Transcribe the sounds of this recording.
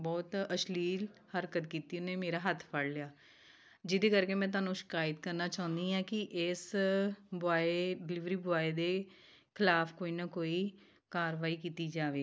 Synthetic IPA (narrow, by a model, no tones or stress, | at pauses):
bɔːt̪əʃliːlhəɾkət̪kiːt̪iːneːmeːɾaːɦət̪ʰpʰəɽlɪjaː | d͡ʒɪd̪eːkəɾkeːmɛ̃ːt̪̬ʊaːnũːʃɪ̥kaːjət̪kəɾnaːt͡ʃãːʊ̃nd̪iːãːkɪʔɪs | bʊaːeɖɪlɪʋɾiːbʊaːed̪eː | kʰɪlaːpkoːiːnaːkoːiː | kaːɾʋaːiːkiːt̪iːd͡ʒaːʋeː